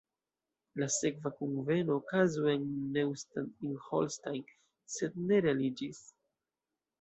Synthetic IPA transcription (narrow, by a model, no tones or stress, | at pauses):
lase̞kvakunve̞noːkazuenːewstaninholstajn | se̞d̪̚ne̞ɾealid͡ʒis